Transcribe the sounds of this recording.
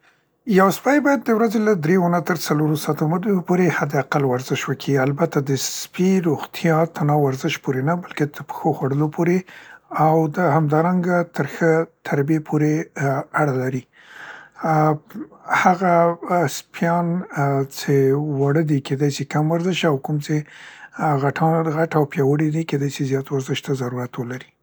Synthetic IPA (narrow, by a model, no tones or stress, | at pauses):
jawspajbɑjad̪̚ːəwɾazelad̪ɾewanat̪əɾt͡saloɾosɑt̪omad̪unopoɾehad̪ɪaqalwaɾzɪʃwəkʰialbat̪ad̪əspiɾoɣt̪ʰjɑt̪ʰanɑwaɾzɪʃpoɾenabalket̪ʰəɾpə̥xoxwaɽəlopʰoɾeawd̪əhamd̪ɑɾaŋɡat̪əɾxət̪ʰaɾbjepʰoɾeaɽalaɾi | haɣaspjɑnt͡ʃewaɽəd̪iked̪ɑjsikamwaɾzəʃawkumt͡se | ɣaʈʰɑnɣaʈawpjɑwəɽid̪iked̪ɑjsizjɑt̪waɾzɪʃt̪azaɾuɾat̪wəlaɾi